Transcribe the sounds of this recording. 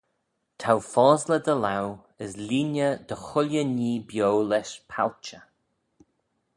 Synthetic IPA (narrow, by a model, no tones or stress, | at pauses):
t̪ʰawfɔːzləd̪əlaw | əsliːnjəd̪əxʊlʲjəniːbjowlɛʃpʰalt͡ʃə